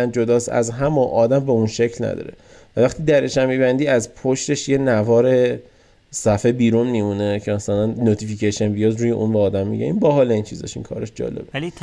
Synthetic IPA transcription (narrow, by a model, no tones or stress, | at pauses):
nd͡ʒo̞d̪ɒːsæ̰zɦæmonʔɒːd̪æmbe̞unʃecʰlnæ̰d̪ɒ̰ːɾe | vævæχt̪ʰiːd̪æɾeʃæmiːbænd̪iːæzpʰoʃt̪e̞ʃje̞nævɒːɾe̞ | sæfebiːɾunmimunecʰemasælænːot̪ʰificʰeʃenvijɒːzɾuːjeʔunbeɒːd̪æmːḭɟæ̰ninbæɦɒːleiːnt͡ʃʰizɒ̰ʃḭŋkʰɒ̰ːɾeʃd͡ʒɒ̰ːlebeli